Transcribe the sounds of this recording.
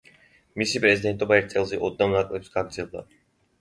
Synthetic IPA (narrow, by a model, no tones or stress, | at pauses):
misipʼɾɛzid̪ɛnt̪ʼɔbaɛɾt̪sʼɛlˠzɛʔɔd̪̚namnakʼlɛpsɡaɡɾd̪zɛlˠda̰